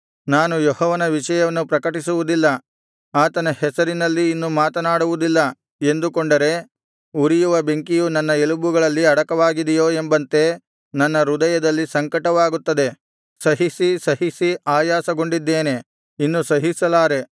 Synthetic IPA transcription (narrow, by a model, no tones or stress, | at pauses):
naːnujɔhɔːʋɐnɐʋiʃɐjɐʋɐnːupɾɐkɐʈisuʋud̪ilːɐ | aːt̪ɐnɐhɛsɐɾinɐlːiːnːumaːt̪ɐnaːɽuʋud̪ilːɐ | e̞nd̪ukoɳɖɐɾe̞ | uɾijuʋɐbeŋkijunɐnːɐelubuɡɐɭɐlːiɐɽɐkɐʋaːɡid̪ɛjoːe̞mbɐnt̪e̞ | nɐnːɐɾud̪ɐjɐd̪ɐlːisɐŋkɐʈɐʋaːɡut̪ːɐd̪e̞ | sɐɦisisɐɦisiaːjaːsɐɡo̞ɳɖid̪ːeːne̞ | inːusɐɦisɐlaːɾe̞